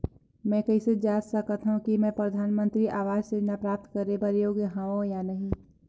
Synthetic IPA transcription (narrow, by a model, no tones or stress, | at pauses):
mɛ̃ːkɐised͡ʒaːd͡ʒsɐkət̪ɦũkimɛ̃pɾəd̪ʱaːnmə̃nt̪ɾiʔaːʋaːd͡ʒsenapɾaːp̚t̪kəɾebəɾjoːɡjəɦãʋõjanɐɦĩ